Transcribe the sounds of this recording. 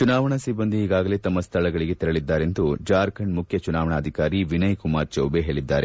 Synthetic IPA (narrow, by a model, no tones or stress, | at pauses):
t͡ʃunaːʋɐɳɐsibːɐnd̪iːɡaːɡɐle̞t̪ɐmːɐst̪ʰɐɭɐɡɐɭiɡe̞t̪iɾɐɭid̪ːaːɾe̞nt̪ud͡ʒaːɾkʰɐɳmukʰjɐt͡ʃunaːʋɐɳɐːd̪ʱikaːɾiʋinɐjkumaːɾt͡ʃɐwbeɦeːɭid̪ːaːɾe